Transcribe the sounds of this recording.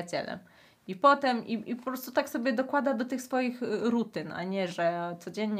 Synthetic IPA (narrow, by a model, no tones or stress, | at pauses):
at͡ɕɛ̰lɛ̰m | ipɔt̪ɛmiipɔpɾɔst̪ut̪aksɔbʲjɛd̪ɔkwad̪ad̪ɔt̪ɘxsfɔjixɾut̪ɘnʔa̰ɲɛʐɛt̪sɔd͡ʑɛɲɲ